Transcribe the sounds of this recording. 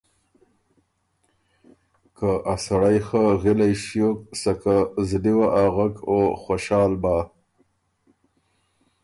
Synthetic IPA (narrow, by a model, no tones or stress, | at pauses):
kaʔasaɽajxəɣɪlajʃjok̚sakazd̪iwaʔaɣakoxaʃɑːlbaː